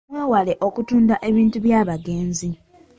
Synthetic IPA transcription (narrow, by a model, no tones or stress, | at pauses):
mweːwale̞ʔo̞kutuːndaʔe̞βiːntuβjaːβaɡe̞ːnzi